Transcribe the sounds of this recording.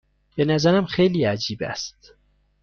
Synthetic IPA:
benæzæɾæmxejliːæd͡ʒiːbæ̰st̪

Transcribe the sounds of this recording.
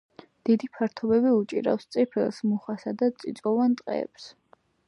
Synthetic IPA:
d̪̥id̪ipʰaɾt̪ʰɔbɛbiut͡ʃʼḭɾa̰fst̪sʼipʰɛlˠsmuχasad̪at̪sʼḭt̪sʼɔvant̪ʼqʼɛ̰ɛ̰ps

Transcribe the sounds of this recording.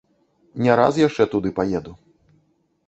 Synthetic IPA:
nʲɛɾa̰sjaʂt͡ʂɛt̪ud̪ɨpajɛd̪u

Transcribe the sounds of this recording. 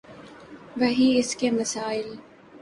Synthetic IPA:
ʋɐɦiɪskemɐsaːɪl

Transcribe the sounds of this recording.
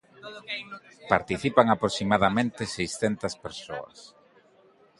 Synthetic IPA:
paɾt̪iθipaŋapɾosimaðamẽnt̪ɪsejsθent̪ɐspeɾso̰ɐ̰s

